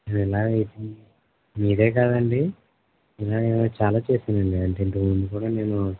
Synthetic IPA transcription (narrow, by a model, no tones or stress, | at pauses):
neːnɛlaːɡɐjit̪i | miːɾe̞ːk̬aːd̪ɐɳɖi | ilaːenat͡ʃaːlaːt͡ʃe̞ːsind̪ɐɳɖiɐɳʈeːint̪ound̪ukuːɽaːne̞ːnu